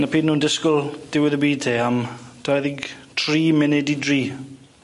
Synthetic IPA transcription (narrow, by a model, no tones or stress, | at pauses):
napʰiːdnuːndɪskʊlˠd̥ɪwɪðəbiːtʰeːamd̥ʰaðiɡtʰriːmɪnɛdidriː